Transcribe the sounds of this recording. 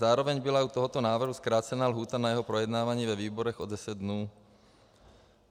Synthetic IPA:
aːɾɔʋɛɲbilaut̪ɔɦɔt̪ɔnaːʋr̩ɦuskɾaːt͡sɛnaːlɦuːt̪anajɛɦɔpɾɔjɛd̪naːʋaɲiːʋɔʋiːbɔɾɔɣɔd̪ɛsɛɟd̪nuː

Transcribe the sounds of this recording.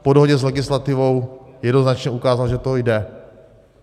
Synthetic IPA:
podoɦoɟɛzlɛɡɪslat̪ɪvo̞wjɛdnoznat͡ʃɲɛukaːzalʒɛt̪ojdɛ

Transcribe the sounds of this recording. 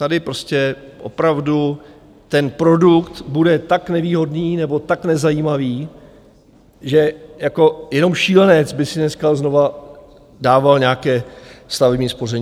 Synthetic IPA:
t̪adɪpɾo̞scɛʔopɾavdu | t̪ɛnpɾo̞dukt̪budɛt̪aknɛviːɦo̞dniːnɛbo̞t̪aknɛzajiːmaviː | ʒɛjako̞jɛno̞mʃiːlɛnɛt͡sbɪsɪnɛskaznova | daːvalɲaːkɛːst̪avɛbɲiːspo̞rɛɲː

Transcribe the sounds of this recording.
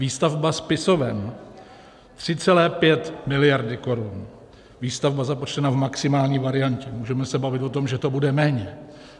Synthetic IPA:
viːst̪avbaspɪso̞vɛm | t̪r̝̥ɪt͡sɛlɛːpjɛt̪mɪlɪjaɾdɪko̞ɾun | viːst̪avbazapot͡ʃt̪ɛnavmaksɪmaːlɲiːvaɾɪjancɛmuːʒɛmɛsɛbavɪt̪vo̞t̪o̞mʒɛt̪o̞budɛmɛːɲɛ

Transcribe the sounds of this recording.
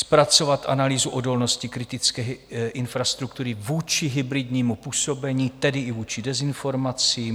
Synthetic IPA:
spɾat͡so̞vat̪ʔanaliːzuʔo̞do̞lno̞scɪkɾɪt̪ɪt͡skɛːʔɪnfɾast̪ɾukt̪uɾɪvuːt͡ʃɪɦɪbɾɪdɲiːmupuːso̞bɛɲiːt̪ɛdɪɪvuːt͡ʃɪdɛzɪnfo̞ɾmat͡siːm

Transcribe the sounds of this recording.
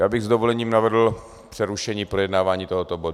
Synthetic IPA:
jaːbɪɣzd̪ovolɛɲiːmnavɛdl̩ | pr̥ɛɾuʃɛɲiːpɾojɛdnaːvaːɲiːt̪oɦot̪obodu

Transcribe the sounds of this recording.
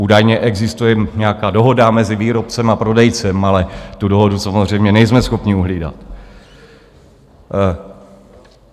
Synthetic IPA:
uːdajɲɛʔɛɡzɪst̪ujɛɲɛakaːdo̞ɦo̞damɛzɪviːɾo̞p̚t͡sɛmapɾo̞dɛjt͡sɛmalɛt̪udo̞ɦo̞dusamozr̝ɛjmɲɛnɛjzmɛsxo̞pɲɪuɦliːda̰t̪

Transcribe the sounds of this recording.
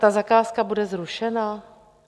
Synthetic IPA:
t̪azakaːskabudɛzɾuʃɛna

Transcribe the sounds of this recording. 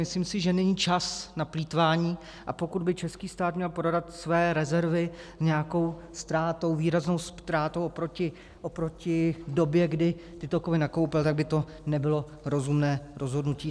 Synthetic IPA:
mɪsliːmsɪʒɛnɛɲiːt͡ʃasnapliːt̪vaːɲiː | ʔapo̞kud̪bɪt͡ʃɛskiːst̪aːt̪mɲɛlpɾodat̪svɛːɾɛzɛɾvɪɲɛjako̞wst̪ɾaːt̪o̞wviːɾazno̞wst̪ɾaːt̪owʔopɾocɪ | ʔopɾo̞cɪdo̞bjɛɡdɪt̪ɪt̪okovɪnako̞wpɪlt̪aɡ̚bɪt̪o̞ | nɛbɪlo̞ | ɾo̞zumnɛːɾʔo̞zɦo̞dnuciː

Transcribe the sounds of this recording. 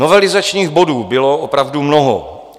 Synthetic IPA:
novɛlɪzat͡ʃɲiːɣbo̞duːbɪloopɾavdumno̞ɦo

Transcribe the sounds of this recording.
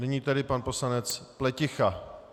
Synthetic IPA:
nɪɲiːt̪ɛdɪpanpo̞slanɛt͡splɛcɪxa

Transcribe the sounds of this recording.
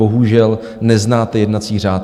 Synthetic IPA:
oɦuʒɛl | nɛznaːt̪ɛjɛdnat͡siːr̝aːt̪

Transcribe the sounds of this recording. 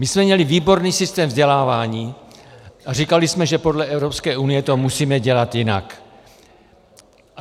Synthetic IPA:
mɪsmɛmɲɛlɪviːbo̞ɾniːsɪst̪ɛːmvzɟɛlaːvaːɲiː | ʔar̝ikalɪsmɛʒɛpo̞dlɛɛvɾopskɛːʔunɪjɛt̪o̞musiːmɛɟɛlat̪jɪna̰k

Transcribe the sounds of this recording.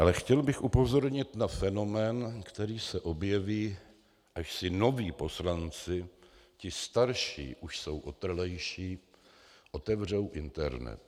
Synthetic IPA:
ʔalɛxcɛlbɪxʔupo̞zo̞ɾɲɪt̪nafɛno̞mɛːnkt̪ɛɾiːsɛʔo̞bjɛviː | ʔaʃsɪno̞viːpo̞slant͡sɪcɪst̪aɾʃḭːʔuʃso̞wʔot̪r̩lɛjʃiː | ʔo̞t̪ɛvr̝owʔɪnt̪ɛɾnɛ̰t̪

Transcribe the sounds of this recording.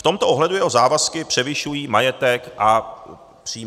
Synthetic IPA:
ft̪o̞mt̪oʔoɦlɛdujɛɦozaːvaskɪpr̝̥ɛvɪʃujiːmajɛt̪ɛkʔa | pr̝̥iː

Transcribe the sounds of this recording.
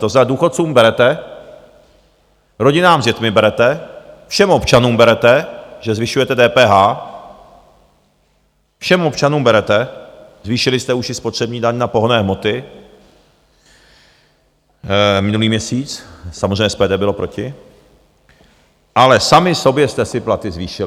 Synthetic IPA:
t̪oznad̪uːxot̪t͡suːmbɛɾɛt̪ɛ | ɾo̞ɟɪnaːmzjɛt̪mɪbɛɾɛt̪ɛfʃɛmo̞pt͡ʃanuːmbɛɾɛt̪ɛʒɛzvɪʃujɛt̪ɛdɛːpɛːɦaː | fʃɛmop̚t͡ʃanuːmbɛɾɛt̪ɛzviːʃɪlɪst̪ɛuʃɪspot̪r̥ɛbɲiːdaɲnapo̞ɦonɛːɦmo̞t̪ɪ | mɪnuliːmɲɛsiːt͡ssamozreɛjɲːɛspɛːd̪ɛːbɪlo̞pɾo̞cɪ | ʔalɛsamɪsobjɛst̪ɛsɪplat̪ɪzviːʃɪ

